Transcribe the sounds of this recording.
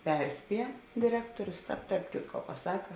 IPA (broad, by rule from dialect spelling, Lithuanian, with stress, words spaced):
ˈpʲɛrʲˌsʲpʲiɛ dʲɪˈrʲæːktoːrʲʊs ˈtɑːp tɐrp ˈkʲɪtkoː pɐˈsɑːkɐ